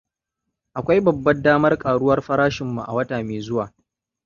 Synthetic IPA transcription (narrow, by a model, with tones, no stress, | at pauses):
ʔa˨kʷa˦jbɐ˨bːɐ˦daː˦mɐ˦rkʼaː˨ɽʊ˦wɐ˦rɸɐ˦ɾaː˦ʃɪ˨mːṵ˨ʔa̰˨wɐ˦taː˨meː˨zʊ˦waː˨